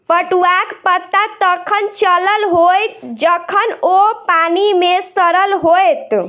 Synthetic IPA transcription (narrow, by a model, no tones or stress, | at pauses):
pəʈuakpət̪ːat̪əkʰənt͡ʃələlɦojt̪d͡ʒəkʰənopanimesəɾəlɦojt̪